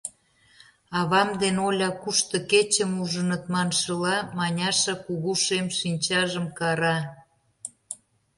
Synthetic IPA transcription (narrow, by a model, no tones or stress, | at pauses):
ɑβɑmd̪enolʲɑkuʃt̪ŏket͡ɕəmuʒə̆nə̆t̪mɑnʃəlɑmɑnʲɑʃə̆kuɣuʃemʃinʲt͡ɕɑʒəmkɑɾɑ